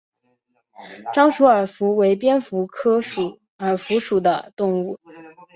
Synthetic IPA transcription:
ʈ͡ʂɑ˥ŋʂu˧˥ə˞˨˩fu˧˥we˧˥ɪpjɛ˥nfu˧˥kʰɤ˥ʂu˨˩˦ | ə˞˨˩fu˧˥ʂu˨˩d̪ə̰˦t̪ʊ˥˧ŋu˥˩

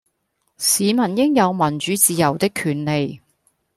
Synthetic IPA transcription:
siː˨˧mɐ˨˩njɪ˥ŋjɐ˨˧wmɐ˨˩nt͡ʃyː˨˧˥t͡siː˨˧jɐ˨˩wt̪ɪ˥kʰːyː˨˩nle˨j

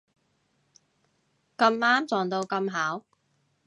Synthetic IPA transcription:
kɐ˧maː˥mt͡sɔː˨˩ŋt̪o˧wkɐ˧mɦaː˨˥w

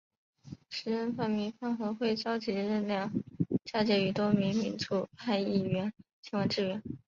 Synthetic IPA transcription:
ʂɻ̩˧˥ə˥˧nfa˥˩nmi˧˥ŋfa˥nxɤ˧˥xwe˥˩ɪt͡ɕjɑ˥ʊt͡ɕi˧˥˧ɻə˥˧nljɑ˥˩ŋt͡ɕja˥˧t͡ɕjɛ˧˥y˨˩t̪wɔ˥mi˧˥ŋmi˧˥nt͡su˥˩pʰa˥˧ɪi˥˩ɥɛ˧˥nt͡ɕʰi˧˥ŋwɑ˧˥ʈ͡ʂɻ̩˥˩ɥɛ˧˥n

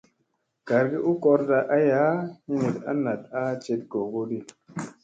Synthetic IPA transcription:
ɡ̥a˨ɾɡi˦ʔu˦kɔ˦ɾda˦ʔa˦ja˦hi˦ne˨ta̰˦na˨ta˦t͡ʃe˦t̚ɡo˨ɡo˦di˦

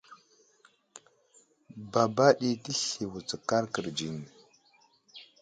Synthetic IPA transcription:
ba˨ba˦ɗi˨ti˦ɬi˨wu˨t͡sə˨ka˦ɾkə˨ɾd͡ʒi˨ni˨

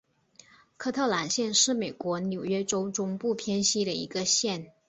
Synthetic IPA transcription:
kʰɤ˥˧t̪ʰɤ˥˩la˧˥nɕjɛ˥˧nʂɻ̩˥˩me˨˩ɪkwɔ˧˥njo˨˩ʊɥɛ˥ʈ͡ʂo˥ʊʈ͡ʂʊ˥ŋpu˥˩pʰjɛ˥nɕi˥ɾə˨ḭ˧˥ɡə˧ɕjɛ˥˩n

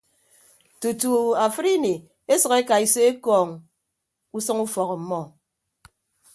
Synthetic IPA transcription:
tu˨tu˨a˨fɨ˦ɾi˦ni˨ | e˦sʌ˨ke˦ka˨i˨se˦e˦kɔː˨ŋ | u˦sɔ˦ŋu˦fɔ˨ɣɔ˨m̩˦mɔ˦˨

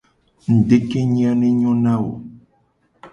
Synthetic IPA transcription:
ŋ̩˨ɖe˦ke˦ɲĩ˦a˦nẽ˦ɲɔ̃˦nã˦wo̰˨

